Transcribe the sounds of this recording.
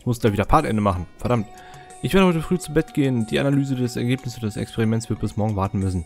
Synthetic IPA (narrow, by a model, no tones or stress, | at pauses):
mʊsd̥aːviːdɐpʰaɐtʔɛ̰ndəmaχn̩fɛɐdamt | ʔɪçveːɐdəɔʏtəfʁ̥yːt͡subɛtɡ̥eːənd̥iːanalyːzədɛsɛɐɡeːpnɪsʔoːdɐdɛsɛ̰kspʰɛʁimɛnt͡ssv̥ɪɐt̚b̥ɪsmɔɐɡŋ̩vaɐtn̩mʏsn̩